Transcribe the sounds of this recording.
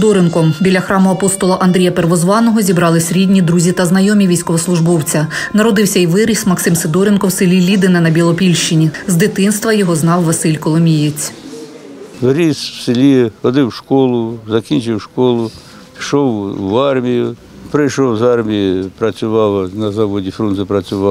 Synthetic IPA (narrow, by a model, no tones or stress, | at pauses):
d̪ɔɾenkɔmbʲilʲːɐxɾɑmʊɐpɔst̪ɔlˠɐʔɐnd̪ɾʲijɐpeɾʋɔzʋɑnɔɦɔzʲibɾɑlˠɪsʲɾʲidʲnʲid̪ɾuzʲit̪ɐznɐjɔmʲiʋʲijsʲkɔʋɔslˠʊʒbɔwt͡sʲɐnɐɾɔd̪ɪwsʲɐiʋɪɾʲismɐksɪmsed̪ɔɾenkɔwsɪlʲilʲid̪ɪnɐnɐbʲilˠɔpʲilʲʃt͡ʃɪnʲizd̪ɪt̪ɪnst̪ʋɐjɔɦɔznɑwʋɐsɪlʲkɔlˠɔmʲijet͡sʲ | ʋɾʲiswsɪlʲixɔd̪ɪwʂkɔlˠʊzɐkʲinʲt͡ʃɪwʃkɔlˠʊ | ʃɔwʋɑrmʲijʊ | pɾɪjʃɔwzɑrmʲijipɾɐt͡sʲʊʋɑwnɐzaʋɔdʲifɾunɪpɾɐt͡sʲʊʋɑ